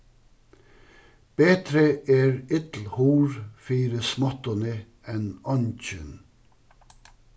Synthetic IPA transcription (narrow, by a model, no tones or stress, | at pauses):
b̥eːt̪ɾəeːɹɪt̪l̩huːɹfiːɾəsmɑt̪ɑnə | ɛnɑnc͡çʏn